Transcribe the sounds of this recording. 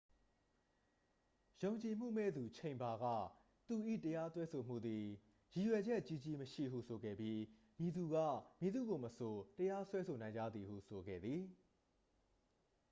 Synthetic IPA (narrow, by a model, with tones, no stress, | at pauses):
jõ˨ʊ̃ɲt͡ɕi˨m̥ṵ˦˨mɛ̰˦˨d̪u˨t͡ɕʰẽ˨ɪ̃mba˨ɡä̰˦˨ | t̪u˨ʔḭ˦˨təja˦t̪wɛ˦so˨m̥ṵ˦˨d̪i˨ | ji˨jwɛ˨d͡ʑɛ˦ʔt͡ɕi˦˨t͡ɕi˦məʃḭ˦˨ɦṵ˦˨sʰo˨ɡɛ̰˦˨bji˦ | mji˨d̪u˨ɡä̰˦˨mji˨d̪ṵ˦˨ɡo˨məso˨təja˦swɛ˦sʰo˨nã˨ɪ̃ɲd͡ʑa̰˦˨d̪ði˨hṵ˦˨sʰo˨ɡɛ̰˦˨d̪ði˨